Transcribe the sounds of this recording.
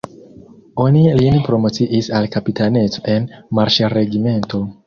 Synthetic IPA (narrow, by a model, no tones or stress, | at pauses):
o̞nilinpɾo̞mo̞t͡siʔisalkapitane̞t͡soʔe̞nmaɾʃɾe̞ɡime̞nto̞